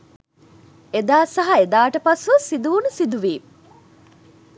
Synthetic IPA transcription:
ed̪aːsɐɦɐed̪aːʈəpɐsuʋɐsid̪uʋunusid̪uʋiː

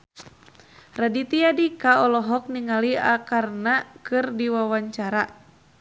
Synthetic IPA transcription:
radit̪iadikaɔlɔɦɔk̚niŋaliakarnakɨrdiwawaɲt͡ʃaɾa

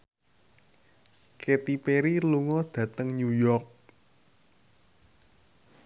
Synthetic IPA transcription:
ket̪ipeɾiluŋɔd̪̥ä̤t̪əŋɲujɔrk̚

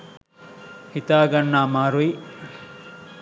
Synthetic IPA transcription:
hit̪aːɡɐnːaːmaːɾui

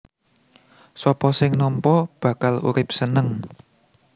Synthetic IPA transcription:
sɔpɔsɪŋnɔmpɔb̥ä̤kalṵɾɪp̚sənəŋ

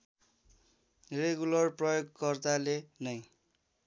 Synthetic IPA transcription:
reɡulʌrprʌjoɡkʌrt̪alenʌj

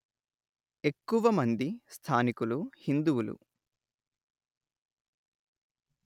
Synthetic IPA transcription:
e̞kːuʋɐmɐnd̪ist̪ʰaːnikuluhind̪uwulṵ

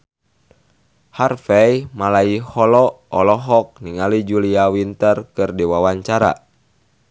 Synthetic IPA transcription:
harfɛjmalaihɔlɔɔlɔɦɔk̚niŋalid͡ʒuliawint̪ərkɨrdiwawaɲt͡ʃaɾa̰

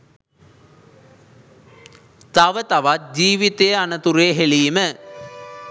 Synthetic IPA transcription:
t̪aʋət̪aʋat̪̚d͡ʑiːʋit̪ejəanət̪uɾeːɦeliːmə

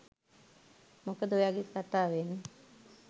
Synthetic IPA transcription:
mokəd̪ojaɡetkat̪aːʋenə

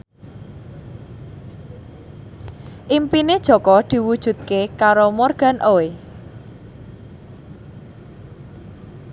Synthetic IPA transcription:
ʔimpined̥ʒ̥ɔ̤kɔd̪̥i̤wud̥ʒ̥ṳt̪̚kekaɾomorɡ̥a̤nʔoe

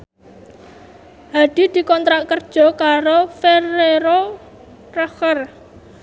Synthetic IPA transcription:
had̪̥i̤d̪̥i̤kɔnt̪ɾaʔkərd̥ʒ̥ɔ̤kaɾofereɾo | rəxər

